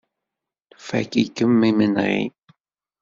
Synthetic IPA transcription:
fæ̰kikːəmːimənʁḭ

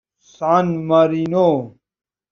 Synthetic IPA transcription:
saːnmɐɾino

